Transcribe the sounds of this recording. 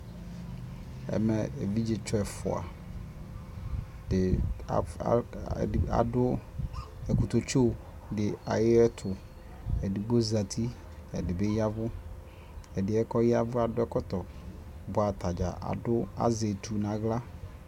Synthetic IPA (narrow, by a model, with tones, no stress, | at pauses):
ɛ̰˨mɛ˨ɛ˨vi˦d͡ʒɪ˨t͡ʃɔ˦ɛ˨fʊ̰˨a̰˨ | d̥ɪ̰˨ | a̰˨dʊ˦ | ɛ˨kʊ˨t̪o˨t͡ʃo˦˨ | dɪ˨a˨jɪ˦ɛ˦t̪ʰʊ˨ | ɛ˨dɪ˨ɡ͡bo˦za˨t̪ʰi˦ | ɛ̰˨dɪ˨bɛ˦ja˦vʊ˦ | ɛ˨dɪ˨˦ɛ˦kɔ˦jɪ˦a˦vʊ˦a˨dʊ˦ɛ˦kɔ˦t̪ɔ˨bʊ˨a˨t̪a˨d͡ʒa̰˨ʔa̰˨dʊ˦a̰˦ze˨t̪ʰu˨nã˨ɣla˦